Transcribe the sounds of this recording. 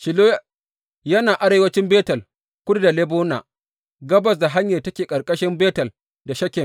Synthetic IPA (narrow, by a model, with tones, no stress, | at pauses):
ʃɪ˨loː˦ | jɐ˦naː˨ʔa˦ɾeː˦wɐ˦t͡ʃɪ˦mbeː˦tɐ˨l | kʷʊ˦ɽda˨le˦boː˦naː˨ | ɡɐ˦bɐ˨s̬da˨ɦa˦ɲjaː˨tɐ˦kʲeː˨kʼɐ˨ɾkʼɐ˦ʃɪ˦mbeː˦tɐ˨l | da˨ʃɐ˦kʲɪ˨m